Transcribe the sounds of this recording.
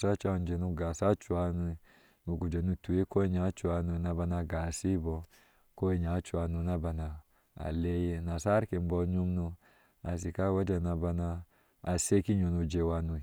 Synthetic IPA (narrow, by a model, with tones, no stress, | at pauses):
sa˦t͡ʃa˦˨nd͡ʒe˨nu˦ɡa˨sa˦t͡ʃu˨a˦nu˦ | mu˨ɡu˨d͡ʒa˨nu˦tu˨je˦ko˦i˦ɲa˨˦t͡ʃu˨a˨nu˧˨˦na˨ba˧na˧ɡa˨si˦bo˨ | ko˦i˦ɲa˨˦t͡ʃu˦a˨nu˨˧na˦ba˨na˨ | a̰˨le˦je˦na˨sa˦ɾke˨m˦bɔ˦ɲu˦mnu˧ | a˨s̬i˨ka˦wa˦d͡ʒa˨na˨ba˧naː˧˨ | se˦ki˦ɲo˨nu˨d͡ʒe˨wa˦nu˨